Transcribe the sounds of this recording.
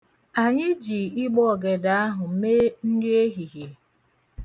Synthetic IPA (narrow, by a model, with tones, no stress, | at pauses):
a˨ɲɪ˦d͡ʒiː˨ɪ˦ɡ͡bɔ˦˨ɡe˨da˨˦a˦ɦʊ˨m̩˦me˦n̩˦dɪ˦e˦ɦi˨ɦje˨